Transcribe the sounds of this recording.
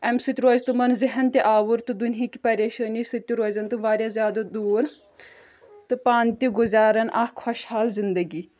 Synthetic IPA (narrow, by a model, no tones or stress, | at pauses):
ɛmsɨt̪ʲɾoːzt̪ɨmɐnzɪɦɐnt̪eʔaːʋuɾt̪ɨd̪unɦiki̥pɐɾʲeːʃəːnisɨt̪ʲiɾoːzɐnt̪ɨmʋaːɾʲjazʲjaːd̪ɐd̪uːɾ | t̪ɨpaːnt̪ʲiɡʊzaːɾɐnʔaːhkʰɔʃhaːlzind̪ɐɡiː